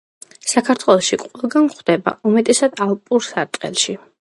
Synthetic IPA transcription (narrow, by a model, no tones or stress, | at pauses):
sakʰaɾt̪ʰwɛlˠɔʃiqʼwɛlˠɡanχwd̪̥ɛba̰ʔɔmɛt̪ʼɛsad̪alˠpʼuɾsaɾt̪ʼqʼɛ̰lˠʃi